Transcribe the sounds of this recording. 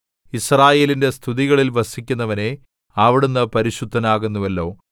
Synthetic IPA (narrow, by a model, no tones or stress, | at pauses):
israːje̞ːlinde̞st̪ʰiðiɣɐɭilʋɐsikʲːunːɐʋɐne̞ | ɐʋiɽunːɨpɐɾiɕud̪ʱːɐnaːɣunːuʋɐlːo̞ː